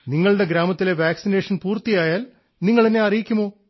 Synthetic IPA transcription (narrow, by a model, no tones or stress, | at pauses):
niŋːɐɭɽe̞ɡɾaːmɐt̪ːile̞ʋaːksine̞ːʂɐnpuːrt̪ijaːjaːl | niŋːɐɭeneɐrijikʲːumo̞ː